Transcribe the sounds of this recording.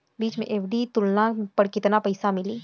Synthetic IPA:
biːt͡ʃmḛ̃ʔeːpʰɖit̪ʊlnapɐɾkɪt̪napɐɪsamɪliː

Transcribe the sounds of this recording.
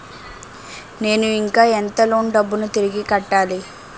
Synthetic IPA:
ne̞ːnuiŋkaːent̪ɐloːɳɖɐbːunut̪iɾiɡikɐʈːaːli

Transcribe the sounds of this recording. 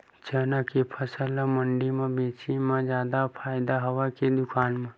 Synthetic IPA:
t͡ʃəːnakepʰəsələ̃məɳɖimẽbeːt͡ʃimẽd͡ʒjaːd̪apʰaːɪd̪aɦɐʋaked̪ʊkʰaːnmẽ

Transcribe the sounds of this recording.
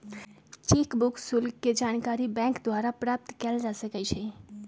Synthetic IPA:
t͡ʃikbukʰsulkːed͡ʒankaɾibɛ̃kd̪waɾapɾap̚t̪kɛld͡ʒasəkɛt͡ʃʰɛ

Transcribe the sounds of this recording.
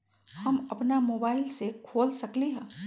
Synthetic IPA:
hɐmɐpnamoːbaːɪlsekʰoːlsɐkliɦɛ̃ː

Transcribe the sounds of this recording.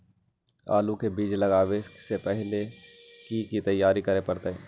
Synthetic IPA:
a̰ːlukebiːd͡ʒlɐɡaːwesepɛɦlekikit̪ɐjːaːɾikɐɾepɐɾt̪eɦɛː

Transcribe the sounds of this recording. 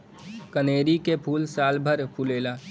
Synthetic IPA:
kəneːɾikepʰuːlsaːlbʱəɾpʰuːleːlaː

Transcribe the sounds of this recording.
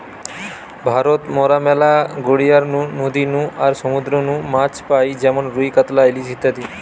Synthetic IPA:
bʱaɾot̪mɔɾamɛlaɡoɽijaɾnũnod̪inũaɾsɔmud̪ɾɔnũmat͡ʃpajd͡ʒɛmonɾujkət̪lajlisit̪ːad̪i

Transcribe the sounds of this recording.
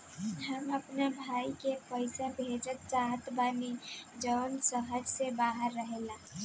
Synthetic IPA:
ɦəməpnabʱaikepəɪsabʱed͡ʒət̪̚t͡ʃaɦət̪baːnid͡ʒəːnsəɦəd͡ʒsebaɦəɾːəɦela

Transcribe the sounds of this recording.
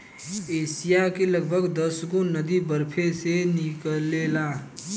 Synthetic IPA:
eːsijakeləɡbʱəɡd̪əsɡonəd̪ibəɾpʰesenɪklela

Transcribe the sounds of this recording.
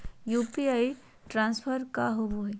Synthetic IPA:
jupiaj | ʈɾãnsfʰəɾkaɦobuɦj

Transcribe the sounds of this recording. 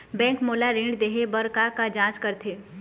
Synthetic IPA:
bɛ̃ːŋkmoːlaɾẽːɳɖd̪eːɦebəɾkakad͡ʒãːt͡ʃkɐɾt̪ʰeː

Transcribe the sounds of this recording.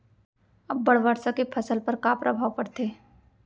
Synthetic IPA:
ɐbːɐɽʋəɾsakepʰɐsəlpɐɾkapɾʔəbʱaːʋpɐɾt̪ʰeː

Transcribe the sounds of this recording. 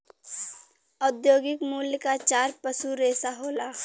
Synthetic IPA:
ɔːd̪joːɡɪkmuːljkat͡ʃaːɾpəsuɾeːsaɦoːlaː

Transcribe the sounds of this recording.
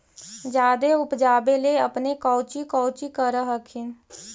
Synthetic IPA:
d͡ʒaːd̪eʊpd͡ʒaːbeleəpnekɔːt͡ʃikɔːt͡ʃikəɾəɦəkʰɪn

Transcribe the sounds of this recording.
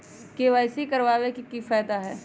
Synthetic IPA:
keʋaɪsikɐɾʋaːʋekikifɛːd̪aɦɛː

